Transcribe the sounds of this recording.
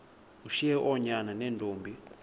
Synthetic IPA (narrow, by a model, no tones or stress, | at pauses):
uʃiɛʔɔɲananɛntʼoːmbʱi